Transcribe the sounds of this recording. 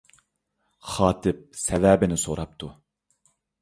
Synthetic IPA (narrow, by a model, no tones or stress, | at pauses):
χɑːt̪ʰɪp̚sɛvɛːbɪnɪsoɾɑp̚t̪ʰu